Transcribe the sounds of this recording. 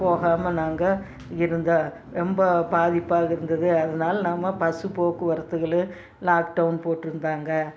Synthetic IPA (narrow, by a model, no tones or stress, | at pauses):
poːɣaːmɐnaːŋɡɐ | ɪɾɯnd̪a | ɾɛmbɐbaːðɪpːaːɣɐɪɾɯnd̪ɐðɯɐðɐnaːlɐnaːmːɐpɐsɯpoːkɯʋɐɾɐt̪ːɯɣɐɭɯ | laːkɖɐʋʊnpoːʈːɪɾɯnd̪aːŋɡɐ